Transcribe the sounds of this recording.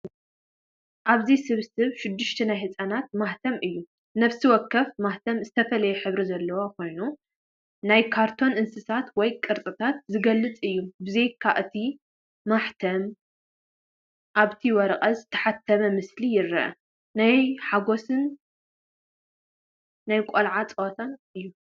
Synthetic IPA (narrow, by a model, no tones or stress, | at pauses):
ʔaβzisɨβsɨβʃɪd̪ːɨʃt̪ʰɐnajhɨt͡sʼanat̪̚maht̪ʰɐmʔɨjːu | nɐβsiwɔkːɐfmaht̪ʰɐmzɨt̪ʰɐfɐlɐjɛħɨβɾizɐlːɐwako̞jnu | najkʰaɾt̪ʰo̞nɨnsɨsat̪wɔjkʼɨɾt͡sʼɨt̪ʰat̪̚zɨɡɐlːɨt͡sʼɨjːubɨzejkʰːaʔɨt̪ʰi | maħt̪ʰɐm | ʔaβt̪ʰiwɐɾɐqʼɐzɨt̪ʰːɐ̥ħat̪ʰːɐmɐmɨslijɪɾːɐʔɐ̰ | najħaɡo̞sɨn | ajkʼolʕat͡sʼɐwot̪ʰanɨjːu